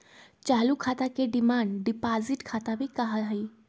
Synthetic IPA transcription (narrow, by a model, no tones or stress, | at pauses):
t͡ɕalukʰat̪akeɖimaɳɖɖipad͡ziʈkʰat̪aʋiːkaɦalɦai